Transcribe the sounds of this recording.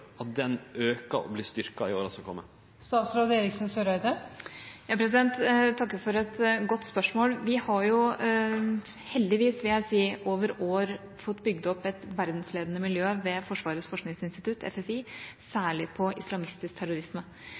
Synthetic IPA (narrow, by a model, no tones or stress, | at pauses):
ɑt̪̚d̪ɛnøːkɑ̰ɔ̰bliːst̪ʏɾkɑɪ̰o̰ːɾɑsɑkʰɔ̰mːə̰ | st̪ɑːt̪sɾoːd̪əeːɾɪksn̩søːɾœʏd̪əjɑːpʰɾɛs̬ɪd̪ɛnt̪t̪ʰːɑkːəfɔɾɛt̪ɡɔt̪ːspœʂmoːlʋɪhɑɾjʊ | hɛld̪ɪʋiːsʋɪljæɪsiːʔoːʋəɾoːɾ | fɔt̪ːbʏɡd̪ɔpːɛt̪ʋæɾd̪nsleːd̪ənəmɪljøːʋɛfɔʂʋɑːɾəsfɔʂknɪŋsɪnst̪ɪt̪ʰʉt̪ʰɛ̰fɛfisæːɭɪpʰɔʔɪslɑmɪst̪ɪsk̚t̪ʰæɾʊɾɪsmə